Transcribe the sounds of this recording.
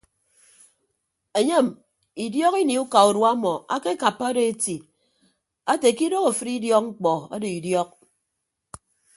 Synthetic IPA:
e˨ɲe˦˨m | i˨djɔ˦ki˦ni˨u˦ka˨u˨dwa˦mɔ˨ʔa˦ke˦ka˨pːa˦de˦e˦ti˨ | a˦te˨ki˦do˦ko˨fɨ˦ɾi˦djɔ˦k̚ŋ͡m̩˦k͡pɔ˨a̰˦de˨i˨djɔ˦k̚

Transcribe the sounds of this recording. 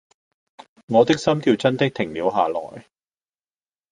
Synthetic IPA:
ŋɔː˨˧t̪ɪ˥k̚sɐ˥mt̪iː˧wt͡sɐ˥nt̪ɪ˥k̚t̪ʰɪ˨˩ŋliː˨˧wɦaː˨lɔ̰ː˨˩j

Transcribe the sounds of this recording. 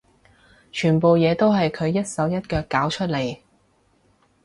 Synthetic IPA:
t͡ʃʰyː˨˩npo˨wjɛː˨˧t̪o˥wɦɐ˨jkʰɵ˨˧ɥjɐ˥t̚sɐ˨˥wjɐ˥t̚kœː˧kːaː˨˥wt͡ʃʰɵ˥t̚le˨˩j

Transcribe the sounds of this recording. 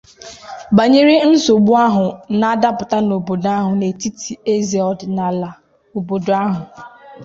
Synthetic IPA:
ba˨ɲe˦ɾi˦n̩˦so˨ɡ͡bu˦a˦ɦʊ˨na˨a˦da˦pʊ˨ta˦no˨bo˨da˦ɦʊ˨ne˨ti˦tʰi˨e˦zi˨ɔ˨dna˨la˨ | o˨bo˨dʊ˨a˦ɦʊ˨

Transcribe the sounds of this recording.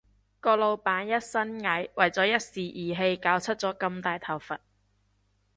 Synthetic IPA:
kɔː˧lo˨˧wpaː˨˥njɐ˥t̚sɐ˥nŋɐ˨˥jwɐ˨˩jt͡sɔː˨˧˥jɐ˥t̚siː˨ʔiː˨ɦe˧jkaː˨˥wt͡sʰɵ˥t̚t͡sɔː˨˥kɐ˧mt̪aː˨jt̪ʰɐ˨˩wfɐ˨t̚

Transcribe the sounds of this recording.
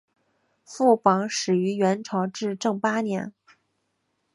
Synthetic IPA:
fu˥˩kwɑ˧˥ŋʂɻ̩˨˩y˧˥ɥɛ˧˥nʈ͡ʂʰɑ˧˥ʊʈ͡ʂɻ̩˥˧ʈ͡ʂɤ˥˩ŋpa˥njɛ̰˧˥n

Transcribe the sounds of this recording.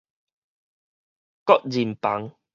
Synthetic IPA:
kɔ˦˥t̚zi˨˩mpa˨˦ŋ

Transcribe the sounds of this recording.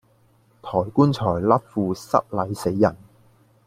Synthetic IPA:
t̪ʰɔː˨˩jkuː˥nt͡ʃʰɔː˨˩jlɐ˥t̚fuː˨˧sɐ̰˥t̚lɐ˨˧jse˨˥jːɐ˨˩n

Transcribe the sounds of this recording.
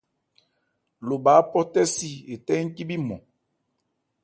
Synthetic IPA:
lo˨baː˨˦pɔ˦tɛ˦si˦e˨tɛ˦ŋ̩˦ki˦bi˦mɔ˨

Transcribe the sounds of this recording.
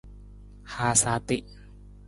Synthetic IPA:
haː˨˧saː˨˧˦t̪i˦˨ʔ

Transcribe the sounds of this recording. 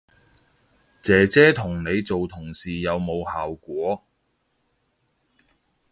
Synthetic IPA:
t͡sɛː˨˥t͡sɛː˥t̪ʰʊ˨˩ŋne˨˧jt͡so˨wt̪ʰʊ˨˩ŋsiː˨jɐ˨˧wmo˨˧whaː˨wkʷɔː˨˥

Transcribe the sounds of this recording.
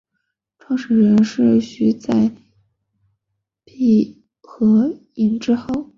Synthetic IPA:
ʈ͡ʂʰwɑ˥˧ŋʂ̩˨˩ɻə˧˥nʂɻ̩˥˩ɕy˧˥t͡sa˥˩ɪ | pʰi˥˩ | xɤ˧˥ | i˧˥nʈ͡ʂɻ̩˥xo˥˩ʊ

